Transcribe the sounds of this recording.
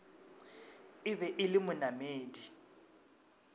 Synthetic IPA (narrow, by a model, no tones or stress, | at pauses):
ɪβɛʔɪlɪmʊnameːdi